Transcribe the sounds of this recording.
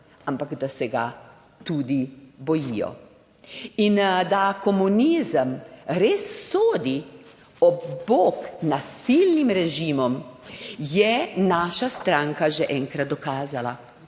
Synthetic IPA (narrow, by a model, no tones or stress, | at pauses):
ampaɡd̪asɛɡa̰ | t̪uːd̪ibɔjijɔ̰ | ind̪akɔmunizəmɾeːsːoːd̪i | ɔbboːknasilnimɾɛʒiːmɔm | jɛnaːʃast̪ɾaŋkaʒɛʔɛːŋkɾat̪̚d̪ɔkaːzala